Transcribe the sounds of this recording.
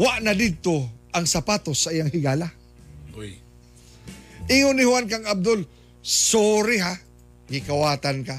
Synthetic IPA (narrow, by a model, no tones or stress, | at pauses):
waʔnad̪ɪd̪̚t̪oʔaŋsapaːt̪osaʔijaŋhɪɡaːla | oj | ʔɪŋonɪhwankaŋab̚d̪ol | soːɾɪɦa | ɡɪkawaːt̪anka